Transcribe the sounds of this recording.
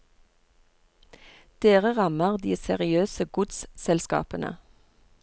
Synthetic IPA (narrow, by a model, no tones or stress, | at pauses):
d̪̥eːʁəʁɑməʁd̪iːsɛʁɪøːsəɡʊd̪ssɛlskɑ̰ːpənə̰